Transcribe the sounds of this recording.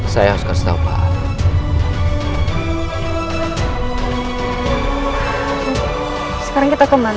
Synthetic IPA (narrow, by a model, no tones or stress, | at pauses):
sajaɦɔskast̪a̰pa̰ | sə̥kaɾaŋkit̪akɔmən